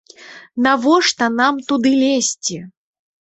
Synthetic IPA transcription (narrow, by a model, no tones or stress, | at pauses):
navɔʂt̪ɐnamt̪ud̪ɨlʲesʲt͡sʲi